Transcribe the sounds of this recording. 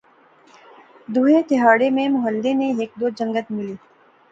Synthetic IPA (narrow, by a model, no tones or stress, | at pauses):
d̪uːɦet̪ɪɦaːɽemẽmʊɦəld̪eneeːk̚d̪oːd͡ʒə̃ŋɡət̪mɪliː